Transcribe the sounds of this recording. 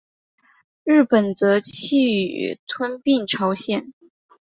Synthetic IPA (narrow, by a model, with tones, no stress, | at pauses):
ɻ̩˥˩pə˨˩nt͡sɤ˧˥t͡ɕʰi˥˩y˨˩˨t̪ʰwə˥npi˥˩nʈ͡ʂʰɑ˧˥ʊɕjɛ˥˩n